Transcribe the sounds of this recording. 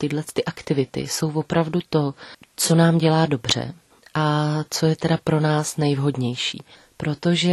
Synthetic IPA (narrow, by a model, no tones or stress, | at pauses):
t̪ɪdlɛst̪ɪʔakt̪ɪvɪt̪ɪ̰so̞wvo̞pɾavdut̪o̞t͡so̞naːmɟɛlaːdo̞br̝̥ɛ̰ | ʔat͡so̞jɛt̪ɛdapɾo̞naːsnɛjvɦo̞dɲɛjʃḭː | pɾo̞t̪o̞ʒɛ